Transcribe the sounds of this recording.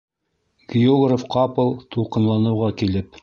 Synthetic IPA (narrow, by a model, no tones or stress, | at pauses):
ɡ̥jolˠɾofqɑpɤlˠt̪ulˠqɤ̆nlˠɑnɤ̆wʁɑkilɘp